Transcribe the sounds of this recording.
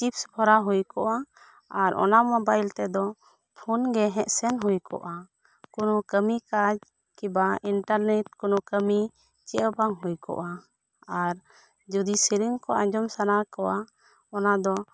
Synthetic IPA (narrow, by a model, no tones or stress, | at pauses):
t͡ʃipsbʱɔɾaɦujkɔʔa | aɾʔɔ̰namɔbajlt̪ɛd̪ɔ | pʰunɡɛɦɛ̃ʔsɛnɦujkɔ̰ʔa | kɔnɔkəmikad͡ʒ | kibaiɳʈaɾnɛʈ̚kɔnɔkəmi | t͡ʃɛʔbaŋɦujkɔ̰ʔa | aɾ | d͡ʒud̪isiɾiŋkɔʔãɲd͡ʒɔmsanakɔʔa | ɔnad̪ɔ